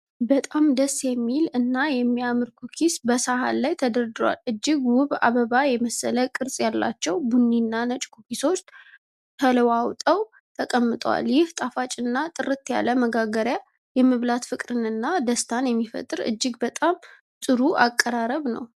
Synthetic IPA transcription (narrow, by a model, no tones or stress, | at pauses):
bət̪ʼamd̪əsjɛmːilɨnːajɛmːiamɨɾkʰokʰisbəsaha̰lːajt̪ʰəd̪əɾd̪ɨɾwa̰lɨd͡ʒːɪɡwʊβa̰βəβajɛməsːələkʼɨɾsʼjalːa̰t͡ʃːɛwbunːinːanət͡ʃʼkʰokʰiso̞t͡ʃː | t̪ʰələwawt̪ʼəw | t̪ʰəkʼəmːɨt̪ʼəwa̰ljɪht̪ʼafat͡ʃʼɨnːat̪ʼɨɾɨt̪ja̰ləməɡaɡəɾja | jɛmɨβlat̪fɨkʼɾɨnɨnːad̪əst̪ʰanjɛmːifə̰t̪ʼɨɾɨ̰d͡ʒːɪɡbət̪ʼam | t̪ʼɨɾuʔa̰kʼːəɾaɾəβnə̰w